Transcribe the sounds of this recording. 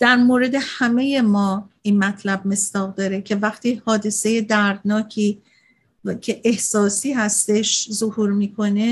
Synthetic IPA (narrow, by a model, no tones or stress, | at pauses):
d̪̥æɾmoːɾe̞d̪e̞hæme̞je̞mɒːiːnmæt̪ʰlæb̚me̞sd̪̥ɒːɣd̪ɒːɾecʰe̞væχt̪ʰiːhɒːd̪e̞se̞je̞d̪æɾd̪̚nɒːcʰiː | cʰe̞ʔehsɒːsiːhæst̪e̞ʃzohuːɾmiːkʰo̞ne̞